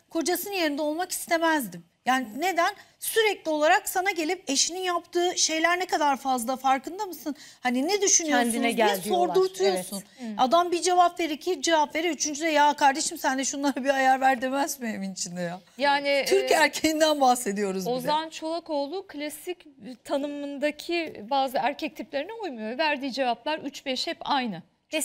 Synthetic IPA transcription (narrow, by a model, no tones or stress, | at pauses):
kʰo̞d͡ʒasɯnje̞ɾind̪ɛo̞lˠmaki̥st̪ʰe̞mæzd̪im | jaːnine̞d̪æn | syɾɛclʲio̞lˠaɾaksanaɟe̞lʲip̚e̞ʃininjapt̪ʰɯːʃe̞jlʲæɾnekad̪aɾfazlˠafaɾkɯnd̪amɯsɯnhaninɛd̪yʃynyoænd̪inɛælɛso̞ɾuɾt̪ʰujjoɾsunad̪ambid͡ʒe̞vapve̞ɾicʰid͡ʒevapve̞ɾɛyt͡ʃʰynd͡ʒyd̪ɛjaːkʰaɾd̪e̞ʃimsænd̪ɛʃunlˠaɾabiajaɾvæɾd̪e̞mɛzmieminit͡ʃʰind̪ɛjajaːnit̪ʰyɾcæɾcʰejind̪ænbahse̞d̪ijo̞ɾuzozamant͡ʃʰo̞lˠako̞ːlˠukʰlʲasict̪ʰanɯmɯnd̪acʰibaːzɯæɾcʰɛc̚t̪ʰiplʲeɾiniujmujovæɾd̪iːd͡ʒe̞vaplˠaɾyt͡ʃbɛʃhɛpajnɯ